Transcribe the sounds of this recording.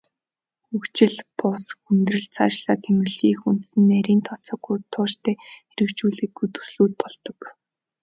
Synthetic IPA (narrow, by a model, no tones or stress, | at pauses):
xɵkt͡ɕɪ̆ɮpʊsxunt̪̆rɘ̆ɮt͡sʰaːt͡ɕɮaːt̪ʰemɘ̆ɮiːxun̥t̪sɘ̆nːæɾʲiːnt̪ʰɔt͡sɔːɡut̪ʰʊːt͡ɕt̪ʰeːxeɾɘ̆kt͡ɕuːɮiːkːujt̪ɵ̥sɮuːt̪̚pɔɮt̪ɞ̆k